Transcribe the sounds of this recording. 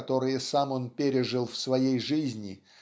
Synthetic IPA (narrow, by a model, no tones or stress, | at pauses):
t̪o̞ɾɨjəsamo̞npʲeɾʲɪʐɨlˠfsvɐjejʐɨzʲnʲɪ